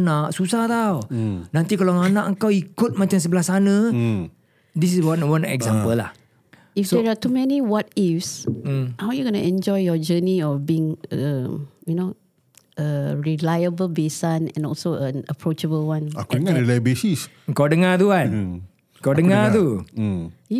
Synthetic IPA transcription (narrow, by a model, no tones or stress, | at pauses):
naʔsusaht̪awnãnt̪ikalaŋanãʔəŋkawikʊt̪̚mat͡ʃams̬əbəlasanə̃ | dis̬iswanwanɛ̰ɡzãmpəlːa̰h | ifdɛɹatumɛniwɔt̚ifshawjuɡɔnaɛ̃nd͡ʒɔjjɔd͡ʒəniɔfbiĩŋə̃juno | ʔəɹilajəbəlbesãnɛ̰̃nɔlsoə̃nəpɹot͡ʃəbəlwãnakailabesis | əŋkawdəŋat̪uan | əkawdəŋat̪u